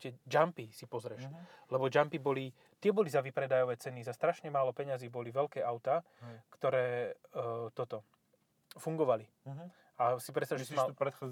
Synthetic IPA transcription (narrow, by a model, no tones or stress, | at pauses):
t̪ɪɛd͡ʒampisipɔzɾɛʃlɛbɔd͡ʒampibɔli | t̪ɪɛbɔlizaʋipɾɛd̪ajɔʋɛːt͡sɛnizast̪ɾaʃɲɛmaːlɔpɛɲaziːbɔliʋɛlkɛːʔaʊt̪aː | kt̪ɔɾɛː | t̪ɔt̪ɔ | fuŋɡɔʋali | asipɾɛtst̪aʒɛsimaɾɛt̪xa